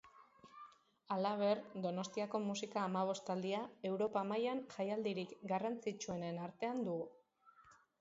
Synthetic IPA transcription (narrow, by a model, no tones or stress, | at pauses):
alaβ̞e̞ɾd̪o̞no̞st̪iako̞musikaːmaβ̞o̞st̪ald̪iae̞wɾo̞pamajanʝajald̪iɾikɡarant͡sit͡ʃue̞ne̞naɾt̪e̞and̪uɣu